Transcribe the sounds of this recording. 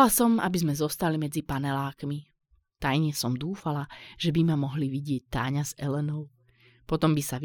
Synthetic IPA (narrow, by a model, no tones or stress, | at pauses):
lasɔma̰bizmɛzɔst̪alimɛd͡zipanɛlaːkmi | t̪ajɲɛsɔmd̪uːfalaʒ̥ɛbimamɔɦliʋiɟɪɛc̚t̪aːɲazɛlɛnɔʊ | pɔt̪ɔmbisa